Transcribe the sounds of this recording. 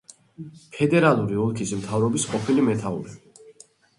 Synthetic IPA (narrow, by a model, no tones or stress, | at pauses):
pʰɛd̪ɛɾalˠuɾiulˠkʰismt̪ʰavɾɔbisqʼɔpʰilimɛt̪ʰaṵɾɛ